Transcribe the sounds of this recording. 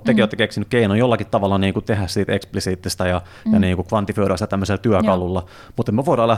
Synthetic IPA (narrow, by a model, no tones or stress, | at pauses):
t̪ːekiʋot̪ːekeksinykkeinojjolːɑkit̪t̪ɑʋɑlːɑniːŋkut̪ehæssiːt̪eksplisiːt̪ːist̪æjɑ | jɑniːŋkukʋɑnt̪iføøɾæst̪t̪æmːøselt̪yækɑlulːɑ | mut̪emmeʋoˑidɑːlæ